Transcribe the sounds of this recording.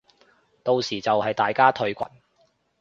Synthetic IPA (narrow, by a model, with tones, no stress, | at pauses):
t̪o˨˧wsiː˨˩t͡sɐ˨whɐ˨jt̪aː˨jkaː˥t̪ʰɵ˧ɥkʷɐ̰˨˩n